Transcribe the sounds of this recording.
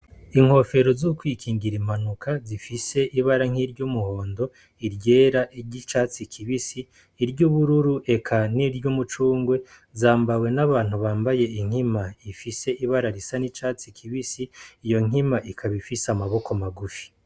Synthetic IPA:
iŋho̞fe̞ɾo̞zukwiːkʰiːŋɡiɾimanukʰazifise̞ʔiβaɾaŋ̥iɾɟumuho̞ːndo̞ | iɾɟe̞ːɾaʔiɟit͡ʃaːt͡sikʰiβisiː | ɾɟuβuɾuɾuʔe̞kʰaniɾɟumut͡ʃuːŋɡwe̞ | zaːmbawe̞naβaːn̥huβaːmbaje̞iŋ̥himaifise̞ʔiβaɾaɾisanit͡ʃaːt͡sikʰiβisiːjo̞ŋ̥imaʔikʰaβifisamaβo̞komaɡufi̥

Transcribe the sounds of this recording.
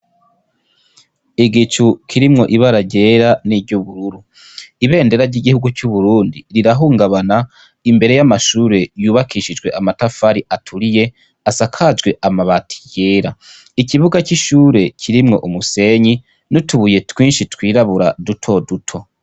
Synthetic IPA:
iɡit͡ʃukʰiɾimŋo̞ʔiβaɾaɟe̞ɾaniɟuβuɾuɾu | iβe̞ːnde̞ɾaɾɟiɡihuɡucuβuɾuːndiɾiɾaɦuːŋɡaβana | imbe̞ɾe̞jamaʃuːɾe̞juːβakʰiʃid͡ʒɡwe̞ʔamatafaɾiʔatʰuɾije̞ | asakʰad͡ʒɡwe̞ʔamaβatʰi̥je̞ːɾa | iciβuɡaciʃuːɾe̞cʰiɾimŋo̞̰ʔumuse̞ɲi | nutuβuje̞twiːnʃitwiːɾaβuɾadutʰo̞dutʰo̞

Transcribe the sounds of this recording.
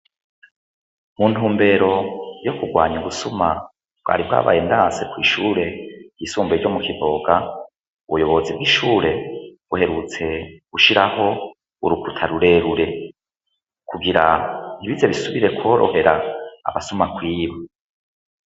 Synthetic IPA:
muntuːmbe̞ɾo̞jo̞kuɡwaːɲuɡusuma | b̥̚ɡwa̰ːɾibɡa̰ːβa̰ːjendaːse̞kwiːʃuːɾe̞jisuːmbeɾɟomukivo̞ːɡa | uβujo̞βo̞zibɡiːʃuːɾe̞ | uhe̞ɾut͡se̞ɡ̥uʃiɾaho̞ | uɾukutʰaɾuɾe̞ɾuɾe̞ | kʰuɡiɾan̥iβize̞βisuβiɾe̞kʰwo̞ːɾo̞̰he̞ɾa̰ːβasumakwiːβa

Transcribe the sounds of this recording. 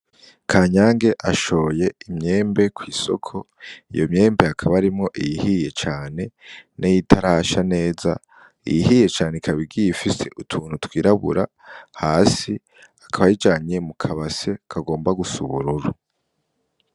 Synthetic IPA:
kʰaːɲaːŋɡe̞ʔaʃo̞ːje̞imɲe̞ːmbe̞kwiːso̞̰kʰo̞ | ḭjo̞mɲe̞ːmbe̞akʰaβaɾimŋo̞ʔijihije̞t͡ʃaːne̞nʔijitʰaɾaʃane̞ːza̰ | ḭjihije̞t͡ʃaːnekʰaβiɡijifise̞̰ʔutʰuːn̥hutwiːɾaβṵɾa | haːsi | akʰaβahid͡ʒaːɲemukʰaβase̞kʰaɡo̞ːmbaɡusṵβuɾuɾu

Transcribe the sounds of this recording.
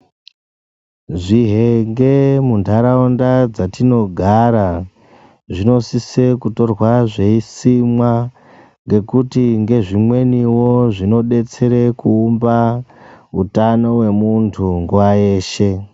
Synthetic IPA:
ʐiɦe̞ŋɡe̞mundaɾaundad͡zatino̞ɡʱaɾa | ʐino̞sise̞kuto̞rwaʐe̞isimwa | ŋɡe̞kutiŋɡe̞ʐimwe̞niwo̞ʐino̞ɗe̞t͡se̞ɾe̞kuːmba | utano̞we̞muntʰuŋɡuwaje̞ːʃe̞

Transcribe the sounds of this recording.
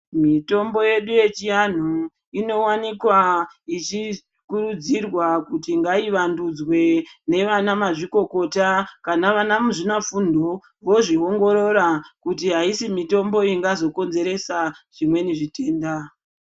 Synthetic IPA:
mito̞mbo̞je̞ɗuje̞t͡ʃijan̤u | ino̞wanikwait͡ʃi | kuɾud͡zirwakutiŋɡaiʋandud͡zwe̞ne̞ʋanamaʐiko̞ko̞takanaʋanamuʐinafundo | ʋo̞ʐiɦo̞ŋɡo̞ɾo̞ɾakutiɦaisimito̞mbo̞iŋɡazo̞ko̞nze̞ɾe̞saʐ̥imwe̞niʐite̞ːnda

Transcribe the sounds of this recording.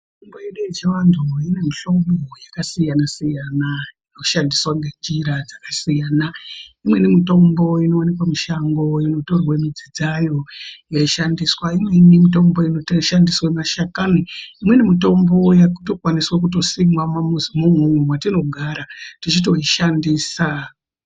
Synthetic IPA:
ittombojeɗujet͡ʃeʋantʰuine̞miɬo̞mbojakasijanasijanainoʃandiswaŋɡed͡ʒiɾad͡zakasijaːnaimwe̞nimito̞mbo̞ino̞wanikwamiʃaŋɡo̞ino̞to̞rwamid͡zid͡zajo̞jaiʃandiswaimwe̞nimito̞mbo̞inoʃandiswamaʃakaniimwenimito̞mbo̞jakuto̞kwaniswak̬uto̞simwamamuzimumwumwemwatino̞ɡʱaɾatit͡ʃit̬o̞ɦiʃandiːsa

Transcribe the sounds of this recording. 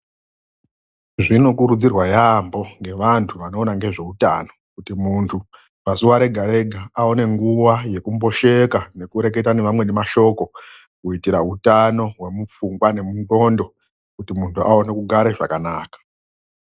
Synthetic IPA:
ʐino̞kuɾud͡zirwajambo̞ŋɡe̞ʋantʰuʋano̞ːnaŋɡeʐe̞uta̰no̞kutimuntʰu | pasuwaɾe̞ɡʱaɾe̞ɡʱaao̞ne̞ŋɡuwaje̞kumbo̞ʃe̞kane̞kuɾe̞k̬e̞tane̞ʋamwe̞ne̞maʃo̞ko̞ | kuitiɾautano̞ɦwe̞mup͡fuŋɡwane̞mundo̞ːndo̞ | kutimuntʰuʔaonekuɡʱaɾeʐa̰kanaːkḁ

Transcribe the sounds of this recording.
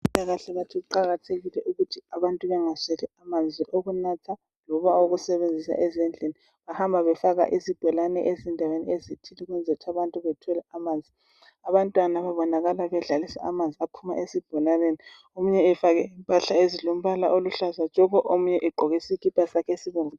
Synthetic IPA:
taɣaɬɛβatʰiɣuǃaɣatʰeɣilɛʔuɣutʰiaβantʼuβɛŋasɛlɛamand͡zʱiʔoɣunatʰa | lɔβaoɣusɛβend͡zʱisa̰ʔɛzɛnd͡ɮʱeni | βahambʱaβɛfaɣa̰ʔisib̥ʱɔlanɛ̰ʔezindʱawenḭezitʰiliɣwɛnd͡zʱautʰaβantʼuβɛtʰɔlaamaːnd͡zʱi | aβantʼwanaβaβɔnaɣalaβɛɮalisa̰amand͡zʱiapʰuma̰ʔesib̥ʱɔlaneni | omuɲɛːfaɣɛimpʼaɬaezilom̩βalaʔoluɬazḁd͡ʒ̥ʱɔɣɔʔomuɲɛʔɛɡ͡ǃʱoɣisikʼipʰʼasakʰesiβuɱvu

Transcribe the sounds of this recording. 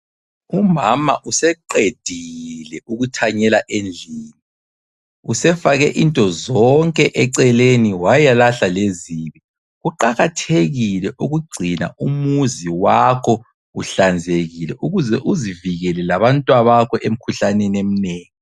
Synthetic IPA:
umamaʔusɛǃed̥ʱilɛʔuɣutʰaɲɛlaʔend͡ɮʱiːni | usɛfaɣɛʔintʼɔzɔŋkʼɛʔɛǀɛleniwajalaɬaleziːβi | ɣuǃaɣatʰeɣilɛʔuɣuɡ͡ǀʱina̰umuziwakʰɔ | uɬand͡zʱeɣilɛʔuɣuzɛʔuziviɣɛlɛlaβantʼwaβakʰɔʔem̩kʰuɬanɛnem̩neːŋi

